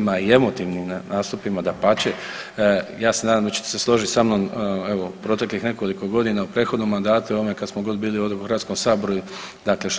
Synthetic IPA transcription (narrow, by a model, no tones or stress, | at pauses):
maie̞mo̞t̪iʋnimnaːst̪upimad̪apat͡ɕe | jaːsenaːd̪amd̪at͡ɕe̥t̪e̥seslˠo̞ʒisamnome̞ʋo̞pɾo̞t̪e̞klixne̞ko̞liko̞ɡo̞d̪inaupɾet̪xo̞d̪no̞mːand̪aːt̪ujoʋmekad̪smoɡo̞d̪biːliod̪xɾʋat̪sko̞msaːboɾuju | d̪akle̞ʃt